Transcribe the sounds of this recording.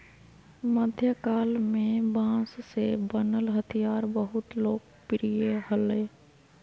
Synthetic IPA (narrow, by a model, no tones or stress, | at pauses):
məd̪ʱjəkaːlmẽbãːssebənəlɦət̪ʰijaːɾbəɦʊt̪loːɡ̚ | pɾijeɦəle